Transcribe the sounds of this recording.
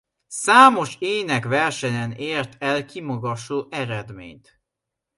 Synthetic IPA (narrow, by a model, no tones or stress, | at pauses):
saːmo̞ʃeːnɛkvɛrʃɛɲɛneːrt̪ʰɛlkimɒɡɒʃoːʔɛɾɛd̪mḛːɲt̪